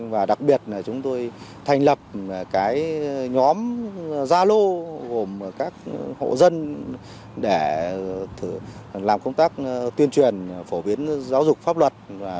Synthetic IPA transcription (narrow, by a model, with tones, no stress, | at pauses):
vaː˨˩ɗa˨˩k̚ɓi˨˩ət̚laː˨˩t͡ɕʊ˨˦ŋ͡mt̪o˧jt̪ʰa˧˩jŋ̟lə˨˩p̚kaː˨˦jɲɔ˨˦mzaː˧lo˧ɣo˨˩m˩kaː˦˥k̚ho̰˧˨zə˧n | ɗe˧˩t̪ʰlaː˨˩mkə˧wŋ͡mt̪aː˦˥k̚t̪wi˧ənt͡ɕwi˨˩ənfo˧˩ɓi˨˦ənzaː˨˦wzʊ˨˩k͡p̚faː˦˥p̚lwə˨˩t̚vaː˨˩